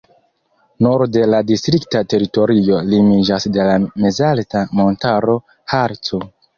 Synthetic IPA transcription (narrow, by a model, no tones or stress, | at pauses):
noɾde̞ladistɾiktate̞ɾito̞ɾio̞limid͡ʒasde̞lame̞zaltamo̞ntaɾo̞ | haɾt͡so